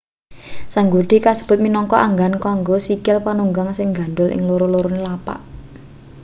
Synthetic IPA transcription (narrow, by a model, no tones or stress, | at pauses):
saŋɡuɖ̥i̤kasə̥b̥ʊ̤t̪̚minɔŋkɔʔaŋɡankaŋɡosikɪlpanuŋɡaŋsɪŋɡa̤ɳɖʊlʔɪ̰ŋloɾoloɾonelapa̰ʔ